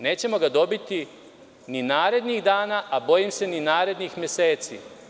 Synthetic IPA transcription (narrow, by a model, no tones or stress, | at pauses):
ne̞ːt͡ɕe̞mo̞ɡad̪o̞bit̪i | ninaːɾe̞d̪niɣd̪aːnaʔabo̞jimse̞ninaːɾe̞d̪nixmjese̞ːt̪sḭ